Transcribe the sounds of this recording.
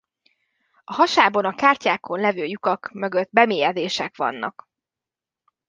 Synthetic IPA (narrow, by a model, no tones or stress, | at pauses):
ɒɦɒʃaːbonɒkaːrcaːkʰo̞nlɛvøːjukɒkmø̞ɡød̪bɛmeːjɛd̪eːʃɛkʋɒ̰nːɒ̰k